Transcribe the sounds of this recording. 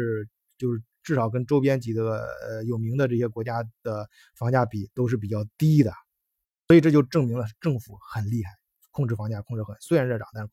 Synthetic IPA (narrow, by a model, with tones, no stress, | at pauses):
ɻ̩˥˧ | t͡ɕjo˥˧ʊʂɻ̩˥˧ʈ͡ʂɻ̩˥˩ʂɑ˨˩˦ʊk̬ə˥nʈ͡ʂo˥ʊp̬jɛ˥nt͡ɕi˨˩d̪ə˦ə̰˧jo˨˩ʊmi˧˥ŋd̪ə˧ʈ͡ʂɤ˥˩ɕjɛ˥kwɔ˧˥t͡ɕja˥d̪̥ə˩ | fɑ˧˥ŋt͡ɕja˥˩pi˨˩t̪o˥ʊʂ̬ɻ̩˥˩p̬i˨˩t͡ɕjɑ˥˩ʊt̪i˥d̪ə̰˨ | swɔ˧˥i˨˩ʈ͡ʂɤ˥˧t͡ɕjo˥˧ʊ˧ʈ͡ʂɤ˥˩ŋmi˧˥ŋlə˧ʈ͡ʂɤ˥˩ŋfu˧˩xə˨˩nli˥˧xa˥˩ɪ | kʰʊ˥˧ŋʈ͡ʂɻ̩˥˩fɑ˧˥ŋt͡ɕja˥˩kʰʊ˥˧ŋʈ͡ʂɻ̩˥˩xə˨˩nswe˥ɪɻa˧˥nɻə˥˩ʈ͡ʂɑ˨˩˦ŋt̪a˥˧ʂɻ̩˥˩